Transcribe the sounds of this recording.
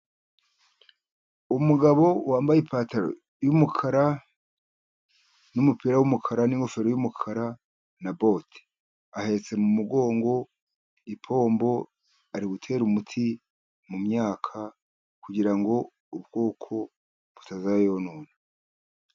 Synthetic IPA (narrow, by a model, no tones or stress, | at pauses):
umuɡaβo̞waːmbajipaːtaɾo̰ | jumukʰaɾa | numupiɾawumukʰaɾaniŋɡo̞fe̞ɾojumukʰaɾa | nabo̞te̥ | ahe̞t͡se̞mumuɡo̞ːŋɡo̞ | ipʰo̞ːmbo̞ | aɾiβutʰe̞ːɾumutʰi | mumɲaːkʰa | kuɟiɾaŋɡo̞ | ubɡ̥o̞ːkʰo̞ | β̥utazaejonuːna